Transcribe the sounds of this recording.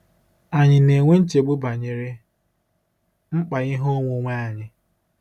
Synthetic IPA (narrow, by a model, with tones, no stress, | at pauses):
a˨ɲɪ˨ne˨ŋʷe˦n̩˦t͡ʃe˨ɡ͡bu˦ba˨ɲɪ˨ɾɪ˦ | ŋ͡m̩˦k͡pa˨ɣɪ˦ɦo˦ŋʷo˦ŋʷa˦a˦˨ɲɪ˨